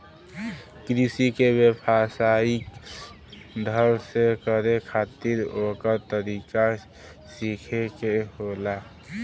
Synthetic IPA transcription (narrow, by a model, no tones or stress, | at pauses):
kɾisikebepʰasaik | d̪ʱəlsekəɾekʰat̪iɾokəɾt̪əɾika | sikʰekeɦola